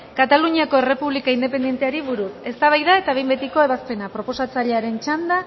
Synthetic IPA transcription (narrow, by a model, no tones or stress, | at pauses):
kat̪aluɲiako̞e̞re̞puβlikaind̪e̞p̬e̞nd̪ient̪eaɾiβuɾuse̞st̪aβajðae̞t̪aβe̞jmbe̞t̪iko̞e̞β̞aspe̞napɾo̞po̞sat͡saʎe̞aɾe̞nt͡ʃand̪a